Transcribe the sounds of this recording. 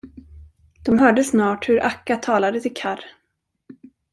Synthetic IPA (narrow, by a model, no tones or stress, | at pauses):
d̪̥ɔmɦœːɖəsnɑːʈhɵɾʔakːat̪ʰɑːlad̪ət̪ʰɪlkʰaɾ